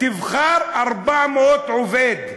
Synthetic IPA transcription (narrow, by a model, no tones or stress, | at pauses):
t̪ɪvxɑːɾˤʔɑɾˤbaʕmoːt̪ʕʊveːd̪